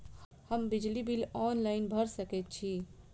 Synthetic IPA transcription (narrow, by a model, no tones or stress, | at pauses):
həmbɪd͡ʒlibilɔːnlaɪnbʱəɾsəket̪̚t͡ʃʰi